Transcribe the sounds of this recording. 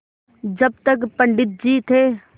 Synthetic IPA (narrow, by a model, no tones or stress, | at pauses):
d͡ʒɐb̚t̪əkpə̃ɳɖɪt̪̚d͡ʒiːt̪ʰeː